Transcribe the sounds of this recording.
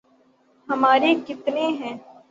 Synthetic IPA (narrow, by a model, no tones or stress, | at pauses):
ɦɐmaːɾeɡɪt̪neɦɛ̃ː